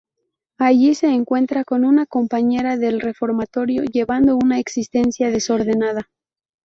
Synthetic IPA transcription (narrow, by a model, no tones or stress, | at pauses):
aʝise̞ːŋkwe̞nt̪ɾako̞nunako̞mpaɲe̞ɾaðe̞lre̞fo̞ɾmat̪o̞ɾjo̞̰ʝe̞βand̪o̞unaeksist̪e̞nsjað̞e̞so̞ɾðe̞nað̞a